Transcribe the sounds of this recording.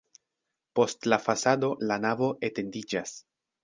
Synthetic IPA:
po̞stlafasado̞lanavo̞ʔete̞ndid͡ʒas

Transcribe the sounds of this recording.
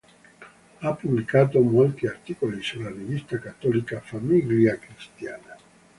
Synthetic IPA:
apːublikaːt̪omolt̪iart̪ikolisulːarivist̪akat̪ːɔlikafamiɡljakɾist̪ja̰ːna

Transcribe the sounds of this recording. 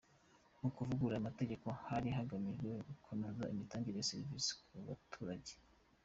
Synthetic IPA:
nukuvuɡuɾaːmate̞ɟe̞ko̞haɾiɦaɡamiɡweɡukʰonezaimitaːŋɡiɾejaseɾviskuβa̰tʰuːɾaɟe

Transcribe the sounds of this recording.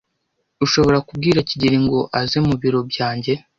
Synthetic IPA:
uʃo̞βo̞ɾakub̚ɡiːɾaciɟiɾiŋɡo̞ʔazemuβiɾo̞bɟaːɲɟe̞

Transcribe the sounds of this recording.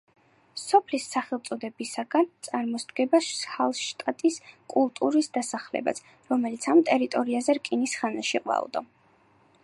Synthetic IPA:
sɔpʰlisːaχɛlˠt̪sʼɔd̪ɛbisaɡant̪sʼaɾmɔsd̪ɡɛbashalˠʃt̪ʼat̪ʼiskʼulˠt̪ʼuɾisd̪asaχlɛ̰ba̰sʰ | ɾɔmɛlit̪sʰamt̪ʼɛɾit̪ʼɔɾiazɛɾkʼinisχanaʃiqʼva̰ṵd̪ɔ

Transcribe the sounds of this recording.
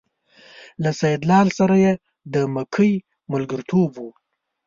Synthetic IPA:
lasajɪd̪lɑːlsaɾaje | d̪əməkʰəj | mʊlɡəɾt̪ʰobwu

